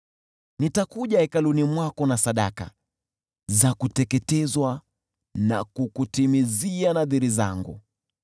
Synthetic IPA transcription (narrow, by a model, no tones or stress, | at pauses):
nitakuʄaɛkalunimwakɔnasaɗa̰ka̰ | zakutɛkɛtɛzwa | na̰kukutimizianaðiɾiza̰ŋɡṵ